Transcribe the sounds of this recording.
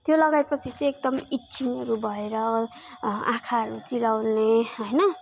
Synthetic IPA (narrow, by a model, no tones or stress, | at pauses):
t̪jolʌɡaepʌt͡sʰit͡sʌj̃ekd̪ʌmit͡siŋʌɾubʱʌeɾʌ | ã̰kʰaɦʌɾut͡silawnneɦojnʌ